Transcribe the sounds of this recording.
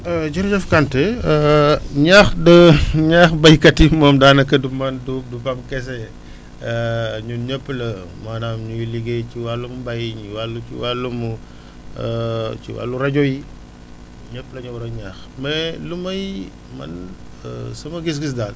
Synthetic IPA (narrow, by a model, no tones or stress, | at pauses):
ɐd͡ʒɐɾd͡ʒɐfkantɛ | ɲaːxdɐɲaːxbɐjkɐtimɔːmdaːnɐkɐdumɐndudubɐmkɛs̬ɛ | ɲuɲɔpːlɐ | manaːmɲujliɡeciwalːumubɐjɲiwalːut͡ʃḭwalːumu | t͡ʃḭwa̰lːuɾɐɟɔji | ɲɔpːlɐɲuwɾɐɲaːxmɛlumɐj | mɐ̰n | əsɐmɐɡis̬ɡis̬daːn